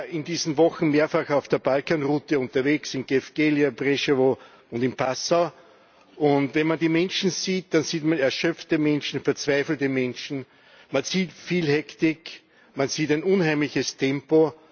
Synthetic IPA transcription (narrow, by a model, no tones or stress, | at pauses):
ɪndiːzn̩vɔxn̩meːɐfaxɑʊfd̥eːɐb̥alkanʁuːtəʊ̃ntɐveːksɪnɡ̥efɡ̥eːljabʁeʃevo | ʊndɪnpʰasa | ʔʊntvɛnmandiːmɛ̃nʃn̩ziːt̚d̥ansiːtmanɛɐʃœp͡ftəmɛnʃn̩fɛɐt͡sv̥aɪfl̩təmɛnʃn̩ | mansiːtfiːlhɛktɪk | manziːtæɪnʊnhæɪmlɪçəstʰɛ̃mpo